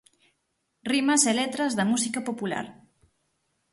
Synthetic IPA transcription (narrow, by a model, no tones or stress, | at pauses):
rimɐselet̪ɾɐzðɐmusikɐpopula̰ɾ